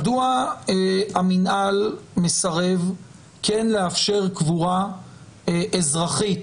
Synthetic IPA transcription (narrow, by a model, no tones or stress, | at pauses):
dua | aminʔalme̞saʁev | ke̞nleafʃe̞ʁkvuʁa | ʔezʁaχit